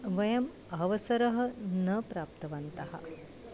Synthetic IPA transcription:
ʋɐjɐm | ɐʋɐsɐɾɐɦɐ̆nɐpɾaːp̚t̪ɐʋɐnt̪ɐɦɐ̰

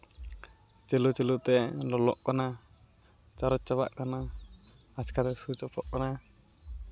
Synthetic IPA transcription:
t͡ʃelut͡ʃelut̪ɛlɔlɔʔkɔna | t͡ʃaɾɔt͡ʃaba̰ʔkana | askat̪ɛsut͡ʃɔpɔʔkɔna

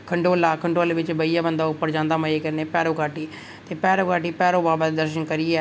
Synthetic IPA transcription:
kʰəɳɖoːlaːkʰəɳɖoːlːʋɪt͡ʃbəijaːbənd̪aːʊpːəɾd͡ʒãːnd̪aːməeːkəɾneːpɛːɾoːkaːʈiː | t̪eːpɛːɾoːkaːʈiːpɛːɾoːbaːbət̪ːd̪əɾʃənkəɾɪːɛː

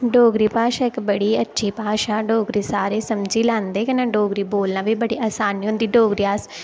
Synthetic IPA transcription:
ɖoːɡɾiːpaːʃãːɪkbəɽiːətːʃʰiːpaːʃãːɖoːɡɾiːsaːɾeːsəmd͡ʒiːlãːnd̪eːkɪnãːɖoːɡɾiːboːlnãːʋiːbəɽiːʔaːsaːniːɦʊ̃nd̪iːɖoːɡɾiːaːs

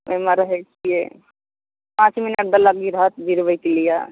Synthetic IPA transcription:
meməɾəɦɛt͡ʃʰije | pãt͡ʃminəʈ̚d̪ələɡiɾəɦət̪d͡ʒʱiɾbəjkelija̰

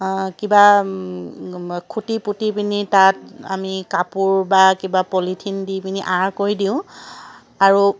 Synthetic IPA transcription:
kiba | kʰutiputipinitata̰mikapuɹbakibapolitʰindipiniʔaɹkoɹidiʊ̃ | aɹu

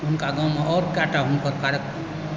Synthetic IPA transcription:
unkaɡãw̃maʔɔɾkaʈaɦunkʌɾkaɾək

